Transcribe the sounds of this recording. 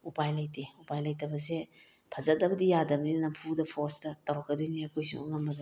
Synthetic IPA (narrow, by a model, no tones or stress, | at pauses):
upajlɐjteupajlɐjtɐbɐs̬e | pʰɐzɐt̚dɐbɐdijadɐbɐninɐmpʰudɐpʰostɐtɐwɾɔk̚ːɐdujniɐkojsṵŋŋɐmbɐdu